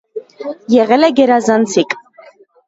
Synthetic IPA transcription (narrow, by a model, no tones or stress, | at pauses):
jɛʁɛlɛɡɛɾazant͡sʰikʼ